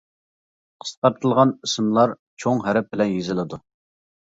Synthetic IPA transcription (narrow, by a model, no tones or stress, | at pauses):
qʰə̥sqɑɾt̪ʰɨlˠʁɑnisɨmlˠɑɾ | t͡ʃʰoŋɦæɾɛp̚bɪlɛnjezɪlˠɪd̪u